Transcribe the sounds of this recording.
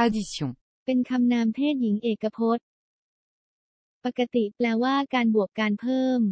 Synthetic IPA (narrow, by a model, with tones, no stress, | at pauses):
a˧di˧so˨˩˦ | pe˧nkʰa˧mnaː˧mt̪ʰeː˥˩t̪̚ji˩˦ŋʔeː˨˩kːa˧pʰo˦˥t̪̚ | pa˨˩kːa˧t̪i˨˩plɛː˧waː˥˩kaː˧nbu˨˩əkːaː˧npʰɤː˥˩m